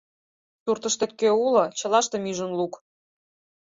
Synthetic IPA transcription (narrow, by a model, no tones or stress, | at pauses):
surt̪ə̆ʃt̪ĕk̪kːøulɤ̆t͡ɕɤ̆lɑʃt̪ɤ̆myʒə̆nluk